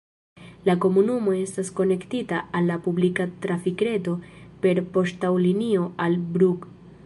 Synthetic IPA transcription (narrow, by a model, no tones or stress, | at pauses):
lako̞munumo̞e̞stasko̞ne̞ktitaalːapublikatɾafikɾe̞to̞pe̞ɾpo̞ʃtawlinio̞albɾuk